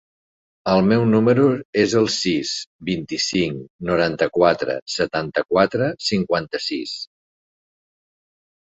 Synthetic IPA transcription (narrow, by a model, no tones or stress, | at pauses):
əlˠmɛwnuməɾuezəlˠsisbint̪isiŋnuɾant̪əkwat̪ɾə̰sət̪ant̪əkwat̪ɾəsiŋkwant̪əsis